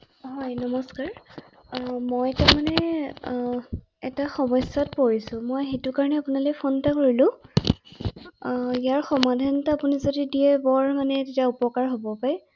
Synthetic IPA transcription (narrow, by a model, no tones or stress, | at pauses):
ɦɔjnɔmɔskaɹ | mojtaɹmanɛ | ɛtaxɔmɔsatpoɹisʊ̃mojxetʊkaɹɔnɛapunalojpʰontakoɹilʊ̃ | ijaɹxɔmadʱantaapunizodidiɛbɔɹmanɛtetiaupɔkaɹɦobɔpaj